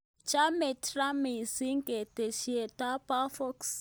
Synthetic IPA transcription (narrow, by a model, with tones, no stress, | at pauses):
t͡ʃa˦mɛ˨tra˦mi˨si˦ŋɡɛ˨te˨ʃi˦ɛ˨tʼa˦pʼa˦fɔ˦ks